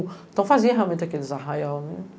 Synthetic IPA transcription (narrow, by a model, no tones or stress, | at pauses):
t̪ɐ̃w̃fazĩɐ̃ɦamẽt̪akelizaɦãjawmem